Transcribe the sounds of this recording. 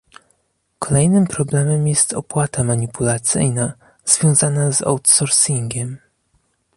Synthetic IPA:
kʰɔlɛjnɘmpɾɔblɛmɛmjɛst̪ɔ̰pwat̪amaɲipulat̪sɘ̰jna | z̥vʲjɔ̃w̃zanazɔ̰wt̪sɔɾsiŋɡʲɛm

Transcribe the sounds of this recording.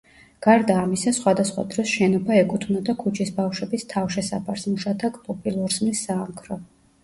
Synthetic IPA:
ɡ̥aɾd̪aːmisasχwad̪asχwa̰d̪ɾɔsʃɛnɔbaɛkʼut̪ʰvnad̪akʰut͡ʃʰisbafʃwɛbist̪ʰafʃɛsapʰaɾsmuʃat̪ʰakʼpʼɔpʼilˠuɾsmisːaːmkʰɾɔ

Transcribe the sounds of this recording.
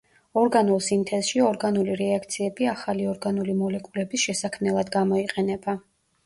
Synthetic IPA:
ɔɾɡanulˠsint̪ʰɛsʃiɔɾɡanuliɾɛakʰt̪sʰiɛbiaχaliɔɾɡanulimɔlɛkʼulɛbisʃɛsakʰmnɛlˠad̪ɡamɔiqʼɛnɛba

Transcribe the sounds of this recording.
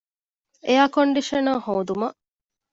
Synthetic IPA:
ejaːkoɳɖiʃɐnohoːd̪umɐʔ

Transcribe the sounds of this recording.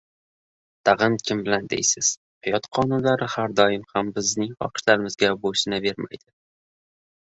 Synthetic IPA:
t̪ʰaʁɨnkʲʰɪmbɪland̪ḛjsɪz̥ | hajɒt̪qʰɒnʊnlaɾɪhaɾd̪ɒjɪmhambɪznɪŋχɒ̰qʰɨ̥ʃlaɾɪmɪzɡʲaboʃɪnabe̞ɾma̰jd̪̥ɪ

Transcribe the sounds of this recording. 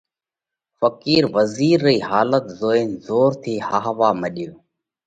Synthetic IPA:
fəkiːɾʋəziːɾːiːɦaːlət̪zoːeːnzoːɾt̪ʰiːhaːɦʋaːməɗjoː

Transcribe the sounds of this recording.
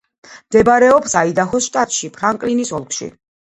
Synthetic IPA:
md̪ɛbɾɛɔpsaid̪axɔsʃt̪ʼat̪ʼʃipʰɾaŋkʼlinisɔlˠkʰʃḭ

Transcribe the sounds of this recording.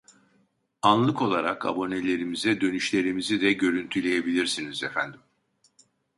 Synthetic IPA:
anlˠɯko̞lˠaɾaka̰bo̞ne̞lʲe̞ɾimizɛd̪ø̞nyʃlʲe̞ɾimizid̪ɛɟø̞ɾynt̪ʰylʲe̞jebilʲiɾsinizefænd̪im

